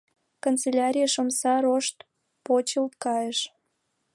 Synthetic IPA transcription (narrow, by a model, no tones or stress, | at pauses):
kont͡selʲaɾʲijəʃomsɑɾoʃt̪ | pot͡ɕəlt̪̚kɑjəʃ